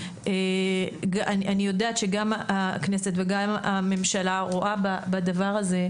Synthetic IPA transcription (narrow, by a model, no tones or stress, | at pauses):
eɡaaniʔanijo̞daːt̪ʃe̞ɡamakne̞set̪veɡama̰me̞mʃalaʁoʔababadavaʁaze̞